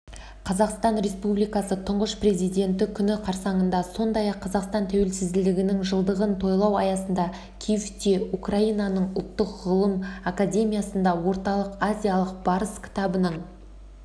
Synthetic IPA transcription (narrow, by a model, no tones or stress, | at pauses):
qʰɑzɑqst̪ɑnɾe̞spublijkɑsət̪ʰʊɴʁəʃpre̞zijd̪ʲe̞nt̪ɪkʲʰʏnɪqʰɑɾsɑɴənd̪ɑso̞nd̪ɑjɑqʰːɑzɑqst̪ɑnt̪ʰæwe̞lsɪzd̪ɪld̪ɪɡʲɪnɪŋʒəlˠd̪əʁənt̪ʰo̞jlˠɑwɑjɑsənd̪ɑ | kʲʰijft̪eukraijnɑnəɴʊ̰lˠt̪ːəqʁəlˠəmakadʲe̞mʲijasənd̪ɑwo̞ɾt̪ɑlˠəqazʲijalˠəqbɑɾəskʲʰɪ̥t̪ɑbənəɴ